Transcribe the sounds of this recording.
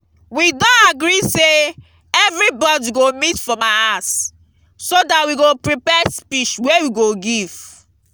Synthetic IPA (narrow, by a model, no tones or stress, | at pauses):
widɔ̃aɡɾise | ɛvɹibɔdiɡomitfɹɔ̃maas | sodatwiɡopɹipɛspit͡ʃwewiɡoɡiv̥